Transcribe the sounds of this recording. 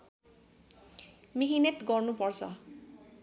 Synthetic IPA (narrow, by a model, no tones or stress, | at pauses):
miɦinet̪ɡɔrnupʌrt͡sʰʌ̰